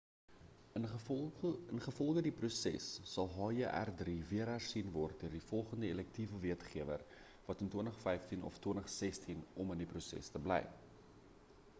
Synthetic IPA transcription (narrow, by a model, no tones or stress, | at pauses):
ənχəfɔlˠχədiprusɛ̰sːɐlˠɦɑːjəʔæ̰rdriviəɾɦærsinvɔrt̚diərdifɔlˠχəndəelɛk̚tivəviətχiəvər | vɐtəntuənəχfɛjftinʔɔ̰ftwəntəχsɛstʰinɔməndiprusɛ̰stəblɛ̰j